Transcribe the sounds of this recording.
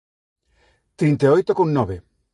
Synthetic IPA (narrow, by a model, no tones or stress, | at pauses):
t̪ɾint̪eojt̪okoŋnɔβe